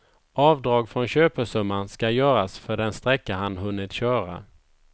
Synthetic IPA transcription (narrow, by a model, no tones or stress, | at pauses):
ʔɑːvd̪ɾɑːɡfɾɔnɕøːpəʂɵmːanskajœːɾasfœɖɛnst̪ɾɛkːaɦanɦɵnːɪt̪ɕœːɾa̰